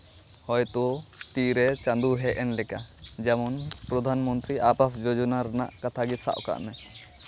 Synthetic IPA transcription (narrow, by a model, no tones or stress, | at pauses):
hɔjt̪ɔt̪iɾɛt͡ʃãnd̪uɦɛʔɛnlɛkad͡ʒɛmɔnpɾɔd̪ʱanmɔnt̪ɾiapapʰd͡ʒɔd͡ʒɔnaɾna̰ʔkat̪ʰaɡisa̰ʔka̰ʔnɛ